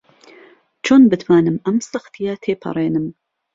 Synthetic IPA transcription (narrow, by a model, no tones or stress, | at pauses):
t͡ʃʰoːnbɨt̪ʰwaːnɨmʔɐmsɨxt̪ʰijat̪ʰeːpʰɐ̰ɾˤeːnɨm